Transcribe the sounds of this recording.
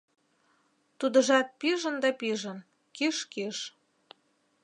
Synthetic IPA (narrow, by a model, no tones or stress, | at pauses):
t̪ud̪ə̆ʒɑt̪̚piʒənd̪ɑpiʒə̆n | kiʃkiʃ